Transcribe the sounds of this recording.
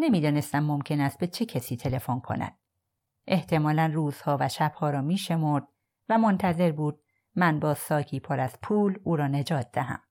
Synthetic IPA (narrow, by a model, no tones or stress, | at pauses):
ne̞miːd̪ɒːne̞st̪æmːomcʰe̞næst̪̚be̞t͡ʃʰe̞cʰesiːt̪ʰe̞le̞fonkʰo̞̰næ̰d̪̥̚ | ʔe̞ht̪ʰe̞mɒːlænruːz̥hɒːvæʃæb̥hɒːɾɒːmiːʃe̞moɾd̪̥̚ | væmo̞nt̪ʰæze̞ɾbuːd̪̥̚ | mænbɒːsɒːcʰiːpʰɒɾæz̥pʰuːluːɾɒːne̞d͡ʒɒːt̪̚ʰd̪æɦæ̰m